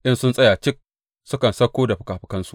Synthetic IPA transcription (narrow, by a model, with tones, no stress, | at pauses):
ʔɪ˦nsʊ˦nsʼɐ˦jaː˨t͡ʃɪ˦k̚ | sʊ˦kɐ˨nsɐ˦kʷːoː˦da˨ɸɪ̥˦kaː˨ɸɪ̥˦kɐ˦nsu̥˦